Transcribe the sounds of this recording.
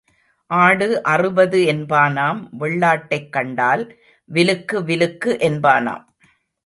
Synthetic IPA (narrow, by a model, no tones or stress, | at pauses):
ʔaːɽɯʔɐrɯbɐðɯɛnbaːnaːmʋɛɭːaːʈːɐɪkːɐɳɖaːl | ʋɪlɯkːɯʋɪlɯkːɯʔɛnbaːna̰ːm